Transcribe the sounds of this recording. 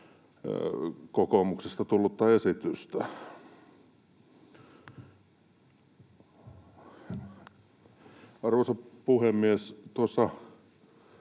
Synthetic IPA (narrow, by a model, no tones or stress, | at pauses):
kokomuksest̪ɑt̪ulːut̪ːɑesit̪yst̪æ | ɑrʋosɑpuhemːiest̪uosːɑ